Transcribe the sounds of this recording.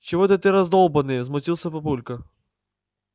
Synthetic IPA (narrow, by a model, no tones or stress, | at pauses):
t͡ɕɪvot̪ət̪ɨɾɐzd̪olˠbənɨjvzmʊtʲilˠsʲəpɐpulʲkɐ